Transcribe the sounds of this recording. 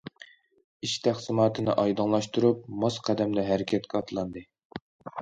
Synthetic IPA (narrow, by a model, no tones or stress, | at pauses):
iʃt̪ʰæχsɨmɑːt̪ʰɨnɨʔɑjd̪ɨŋlˠɑʃt̪uɾup̚mɑsqʰæd̪ɛmd̪ɛɦæɾɪkʲʰɛt̪kʲɛɑt̪ʰlˠɑnd̪ɨ